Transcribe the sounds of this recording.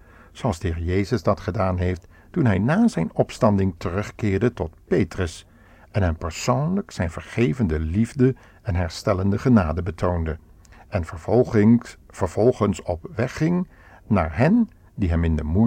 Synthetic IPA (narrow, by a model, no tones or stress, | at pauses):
zoɑlˠzdəɦɪːɹəjejzəzdɑtχədaːnɦejft | tunɦɛjnaːzɛjnɔpstɑndɪŋtərɵχkɪːɹdətɔt̚pejtrəs | ɛnɦɛmpəɹsownləksɛjnvəɹχejvəndəlivdə | ɛnɦɛɹstɛləndəχənaːdəbətʰowndə | ɛnv | vəɹv̥ɔlˠχənsɔpʋɛχɪŋ | na̰ːɹɦɛn | diɦɛmɪndəmu